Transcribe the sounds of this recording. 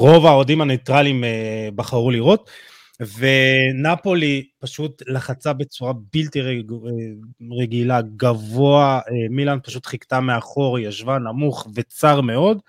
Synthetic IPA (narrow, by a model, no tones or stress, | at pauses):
ʁo̞vaodimhanejt̪ʁalimebaχaʁuliʁo̞t | ve̞napo̞lipaʃutlaχat͡sabe̞t͡suʁabilti | ʁeɡilaɡavo̞aemilanpaʃut̪χikt̪ameaχo̞ʁjaʃvanamuχve̞t͡saʁme̞o̞d